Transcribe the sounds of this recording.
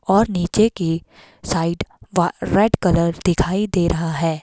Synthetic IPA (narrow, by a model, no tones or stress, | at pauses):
ɔːɾniːt͡ʃeki | saːɪɖʋaɾɛːɖkɐləɾd̪ɪkʰaːid̪eːɾʔɐɦaɦɛː